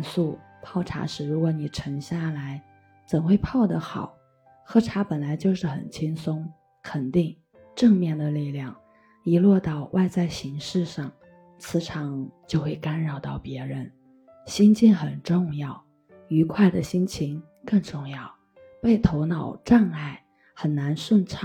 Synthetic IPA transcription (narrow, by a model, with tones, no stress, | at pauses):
nsu˥˩pʰɑ˥˩ʊʈ͡ʂʰa̰˧˥ʂɻ̩˧˩ɻu˧˥kwɔ˧˥ni˨˩ʈ͡ʂʰɤ˧˥ŋɕja˥˩la˧˥ɪ | t͡sə˨˩nxwe˥˧ɪpʰɑ˥˩ʊd̪ə˨˩xɑ̰˨˩˦ʊ | xɤ˥˩ʈ͡ʂʰa˧˥pə˨˩nla˧˥ɪt͡ɕjo˥˧ʊʂɻ̩˥˩xə̰˨˩nt͡ɕʰi˥ŋsʊ˥ŋ | kʰə˨˩nt̪i˥˧ŋ | ʈ͡ʂɤ˥˧ŋmjɛ˥˩nd̪ə˩li˥˩ljɑ˥˩ŋ | i˧˥lwɔ˥˧t̪ɑ˥˧ʊwʔa˥˧ɪt͡sa˥˩ɪɕi˧˥ŋʂɻ̩˥˧ʂɑ˥˩ŋ | t͡sʰɹ̩˧˥ʈ͡ʂʰɑ˨˥˦ŋt͡ɕjo˥˧ʊxwe˥˩ɪka˥nɻɑ˨˩ʊt̪ɑ˥˩ʊpjɛ˧˥ɻə˧˥n | ɕi˥nt͡ɕi˥˩ŋxə˨˩nʈ͡ʂʊ˥˧ŋjɑ˥˩ʊ | y˧˥kʰwa˥˩ɪd̪ə˩ɕi˥nt͡ɕʰi˧˥ŋ | kɤ˥˧ŋʈ͡ʂʊ˥˧ŋjɑ˥˩ʊ | pe˥˩ɪt̪ʰo˧˥ʊnɑ˨˩ʊʈ͡ʂa˥˧ŋa˥˩ɪ | xə˨˩nna˧˥nʂwə˥˧nt͡sʰ